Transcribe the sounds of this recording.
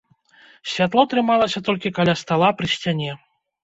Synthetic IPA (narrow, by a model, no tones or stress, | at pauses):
sʲvʲat̪lˠɔt̪ɾɨmalˠɐsʲɐt̪ɔlʲkʲikalʲast̪alˠapɾɨɕʲt͡sʲanʲɛ